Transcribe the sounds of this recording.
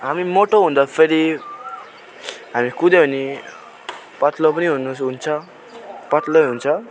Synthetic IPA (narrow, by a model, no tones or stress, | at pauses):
ɦamimoʈoɦũnd̪ʌpʰeɾi | ɦamikud̪eɦuni | pʌt̪lopʌniɦunusɦunt͡sʰʌ | pʌt̪loɦunt͡sʰʌ